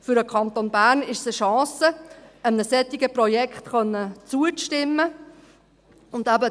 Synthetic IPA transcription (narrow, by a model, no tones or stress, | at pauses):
fʏɾəkʰɑnt̪onbæːɾnɪʃsəʃɑ̃ːsəəmnəsɛt̪ɪɡəprɔjɛkχt̪χœnːət͡suət͡stɪmːə | ʊnd̪æbə